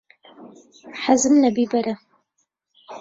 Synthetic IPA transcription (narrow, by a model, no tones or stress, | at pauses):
ħazɨmnɐbiːbɐɾɐ